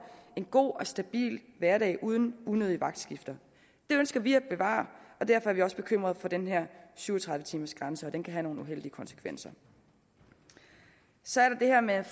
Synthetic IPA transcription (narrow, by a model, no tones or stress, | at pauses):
e̝nɡ̥o̝̰ːɒ̽sd̥æb̥ḭːlʋæɐɾɛ̰ɪʔuð̞ˠn̩unøð̞ˠiʋɑ̈ɡ̥̚d̥sɡ̥ifd̥ɐ | d̥e̝ønsɡ̥ɐʋiæb̥e̝ʋɑ̰̈ːɒ̽d̥æɐ̰fɒ̽æɐʋiɒ̽sə̥b̥e̝kʰøm̰ʁɐð̞̩ˠfɒ̽d̥enɦeɐ̰syːʊɒt͡sʰʁɑ̈ð̞ˠʋət͡sʰiːmɐsɡ̥ʁɑ̈nsəɒ̽d̥enkʰæɦæno̝ːn̩uɦel̰d̥iəkʰɒ̽nsə̥kʰʋen̰sɐ | sɒ̽æɐɾɑ̈d̥e̝hɛɐ̰meæ